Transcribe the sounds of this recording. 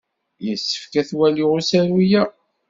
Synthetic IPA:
jəsːə̥fkæθwæliʁusæɾujæ

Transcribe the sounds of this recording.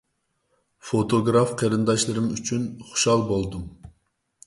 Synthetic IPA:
fot̪ʰoɡɾɑfqʰɛɾɨnd̪ɑʃlˠɨɾɨmyt͡ʃʰynχu̥ʃɑlˠbolˠd̪um

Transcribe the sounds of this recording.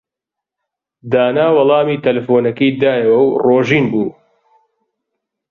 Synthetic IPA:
d̪aːnaːwɑlˠɑːmiːt̪ʰɐlɐfoːnɐkiːd̪aːjɐwɐwroːʒiːnbuː

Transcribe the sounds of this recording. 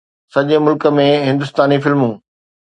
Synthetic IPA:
sɐʄemʊlkə̆mẽɦɪ̃nd̪ʊst̪aːnifɪlmũː

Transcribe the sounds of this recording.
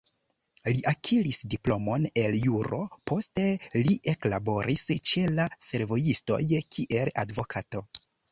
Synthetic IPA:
liʔakʰilisdiplo̞mo̞ne̞ljuɾo̞̰pʰo̞ste̞liʔe̞klabo̞ɾʔist͡ʃe̞lase̞ɾvo̞jisto̞̰jkʰiʔe̞ladvo̞kʰato̞

